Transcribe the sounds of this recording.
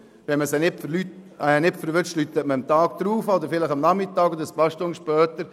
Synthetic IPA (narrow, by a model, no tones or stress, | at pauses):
ʋɛnməsɛnɪpfəɾlytɛnɪpfəɾʋʏt͡ʃtlyt̪ːətməəmt̪ɑːkd̪̥ɾuːfod̪əɾfɪlɪχɑmnɑmɪt̪ːɑːɡ̥od̪əspɑʃtʊŋʃpœːt̪əɾ